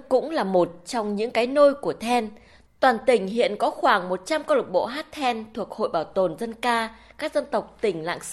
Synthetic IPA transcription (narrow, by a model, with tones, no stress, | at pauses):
kʊ̰˧˥ŋ͡mlaː˨˩mo˨˩t̚t͡ɕɔ˧wŋ͡mɲɨ̰˧˥ŋkaː˨˦jno˧jku˧˩ət̪ʰɛ˧n | t̪waː˨˩nt̪ï˧˩ŋ̟hḭ˧˨ənkɔ˨˦xwaː˧˩ŋmo˨˩t̚t͡ɕa˧mkɔ˧lʊ˨˩k͡p̚ɓo̰˧˨ɦaː˦˥t̚t̪ʰɛ˧nt̪ʰu˨˩ək̚ho̰˧˨jɓaː˧˩wt̪o˨˩nzə˧nkaː˧ | kaː˦˥k̚zə˧nt̪ə˨˩wk͡p̚t̪ï˧˩ŋ̟la̰ː˧˨ŋs